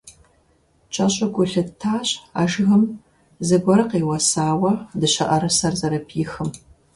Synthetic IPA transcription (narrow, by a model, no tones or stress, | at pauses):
t͡ʃʼɐɕʼɐɡʷʊɬɨtʰaːɕa̰ːʒɣɨm | zɨɡʷɔɾɨqeːwɐsaːwɐdɨɕɐ̰ʔɐɾɨsɐrzɐɾɐpʰiːxɨm